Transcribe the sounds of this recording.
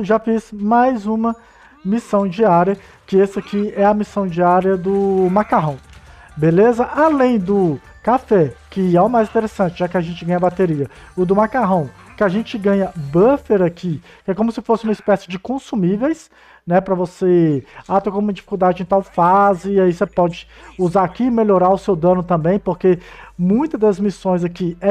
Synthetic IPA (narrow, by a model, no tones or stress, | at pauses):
ʒafizmajzũmɐ | misɐ̃w̃d͡ʒiaɾiɐ | kɪɛsɪakiɛɐmisɐ̃w̃d͡ʒiaɾiɐd̪ʊmakaɦɐ̃w̃ | belezɐʔalẽj̃d̪ʊ | kafɛkɪɛʊmajzĩt̪eɾesɐ̃nt͡ʃɪʒakɪaʒẽnt͡ʃɪɡɐ̃ɲ̃ɐbat̪eɾiɐʊd̪ʊmakaɦɐ̃w̃kɪaʒẽt͡ʃɪɡɐ̃ɲɐbɐfeɾaki | kɪɛkõmʊsɪfosɪũmɐispɛsɪd͡ʒɪkõsumivejs | nɛpɾɐvoseat̪ɐkõũmɐd͡ʒifi̥kuwd̪ad͡ʒɪẽt̪awfazɪːaisepɔd͡ʒɪuzaakiːmeʎoɾaʊsewd̪ɐ̃nʊt̪ɐ̃mbẽj̃poɾkemũj̃t̪ɐd̪ɐzmisõj̃zakiɛ